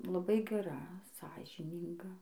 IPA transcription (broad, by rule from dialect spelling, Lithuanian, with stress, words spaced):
lˠɐˈbɐɪ ɡʲɛˈrɐ ˈsɑːʒʲiːnʲiːŋɡɐ